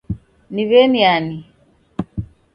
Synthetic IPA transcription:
niβɛniani

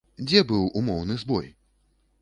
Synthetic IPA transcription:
d͡zʲɛbɨwumɔwnɨzbɔj

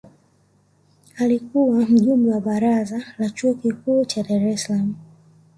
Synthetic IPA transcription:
alikuwam̩ʄumbɛwaɓaɾazalat͡ʃuɔkikuːt͡ʃaɗaɾɛsalamu

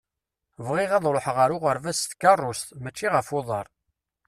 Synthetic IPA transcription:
vʁɪʁɑðˤloħʁəɾʊʁəɾvæsθkɑrˤːʊst̪mæt͡ʃːiʁəfʊðˤəɾˤ

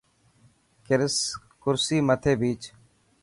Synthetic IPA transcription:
kɪɾs | kʊɾsiːmət̪ʰeːbiːt͡ʃ

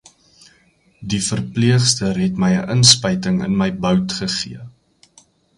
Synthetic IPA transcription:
difərpliəχstərɦɛtməjəʔənspəjtəŋə̰nməjbœwtχəχiə

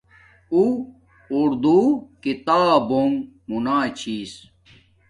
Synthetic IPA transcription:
uː | ɾd̪ukit̪aːboŋɡmunaːt͡ɕʰiːs

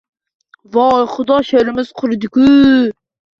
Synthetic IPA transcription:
vɑjχʊd̪ɑʃeɾɪmɪz̥qʰʊɾd̪ɪku

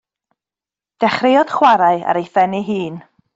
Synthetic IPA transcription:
d̥ɛχrejɔd̥χwaɾaɨa̰ɾejθɛniɦiːn

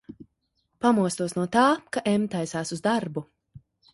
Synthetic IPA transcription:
pamuɔst̪uɔsnuɔt̪aːkaʔɛmt̪ajsaːsuzd̪aɾbu

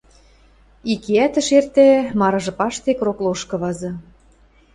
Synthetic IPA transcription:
ikeæt̪ə̆ʃert̪emɑɾɤ̆ʒɤ̆pɑʃt̪ekrokloʃkɤ̆βɑzɤ̆

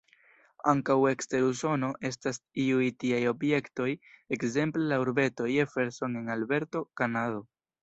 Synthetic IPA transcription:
aŋkawe̞kste̞ɾuso̞no̞ʔe̞s̬tasiujtiajo̞bje̞kto̞je̞kze̞mplelauɾbe̞to̞jefe̞ɾso̞ne̞nalbe̞ɾto̞kanado̞

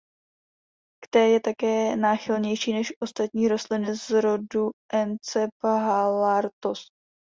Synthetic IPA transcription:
kt̪ɛjɛt̪akɛːnaːxɪlɲɛjʃiːnɛʃʔo̞st̪at̪ɲiːɾo̞st̪lɪnɪzɾo̞duʔɛnt͡sɛpɦalaɾt̪os

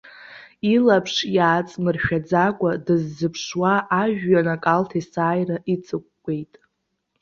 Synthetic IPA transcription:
ilapʰʂjaːt͡sʼmɨrʃᶣad͡zakʷʼadɨzːɨpʰʂwaʔːʒᶣːanakʼaltʰisaːjraʔit͡sʼɨk̚ʷʼɡ̥ʷe̞jtʼ

